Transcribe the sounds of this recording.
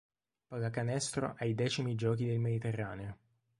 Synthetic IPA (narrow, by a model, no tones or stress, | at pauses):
paɡakanɛst̪ɾo̰ʔajd̪ɛːt͡ʃimid͡ʒɔːk̬id̪elmed̪it̪erːaːneo